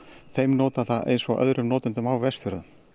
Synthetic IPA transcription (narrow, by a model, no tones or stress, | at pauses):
θejmnɔːt̪aθaðʔḛjnsɔʔœ̰ðɾʏmnɔːt̪ʏnt̪ʏmawvɛst̪vʏɾðʏm